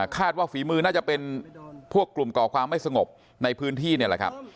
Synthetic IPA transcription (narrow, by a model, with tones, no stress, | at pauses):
kʰaː˥˩t̪̚waː˥˩fiː˩˦mɯː˧naː˥˩t͡ɕa˨˩pe˧npʰu˥˩əkːlu˨˩mkɔː˨˩kʰwaː˧mːa˥˩jsa˧ŋo˨˩p̚ | na˧jpʰɯː˦˥nt̪ʰiː˥˩ni˥˩la̰˨˩kʰa̰˦˥p̚